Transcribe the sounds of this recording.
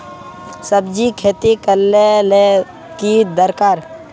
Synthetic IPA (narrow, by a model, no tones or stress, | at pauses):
səbd͡ʒikʰeːt̪ikəlːele | kid̪əɾkaːɾ